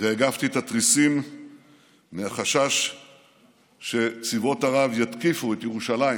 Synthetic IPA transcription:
veːɡaft̪iet̪at̪ʁisim | meaχaʃaʃ | ʃe̞t͡sivo̞t̪aʁavjat̪kifuet̪jeʁuʃalai

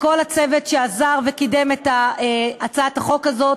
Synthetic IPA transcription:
ko̞lat͡se̞vet̪ʃeazaʁvekide̞metaeat͡saataχo̞kazo̞t

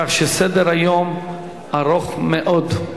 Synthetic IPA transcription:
aχʃesed̪eɾajom | aɾoχmeʔod̪

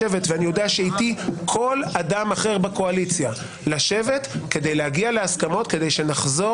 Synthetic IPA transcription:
evetveanijo̞deatʃeit̪ikʰo̞ladamaχe̞ʁbeko̞alit͡sja | laʃe̞ve̞tke̞d̪ejlehaɡiale̞askamo̞tke̞de̞jʃe̞naχzo̞

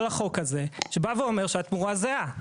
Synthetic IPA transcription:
laχo̞kaze̞ʃebaveome̞ʁʃeat̪muʁazea

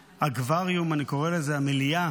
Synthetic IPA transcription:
aɡvaʁijumaniko̞ʁe̞lezeamilija

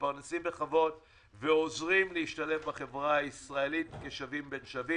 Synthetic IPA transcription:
paʁnesimbeχavo̞t | veozʁimleiʃtale̞fbaχe̞vʁaːisʁae̞litkeʃavimbenʃavi

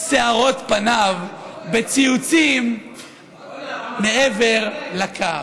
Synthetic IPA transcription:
seaʁo̞t̪panavbet͡siut͡sim | eʔeveʁlakʰa

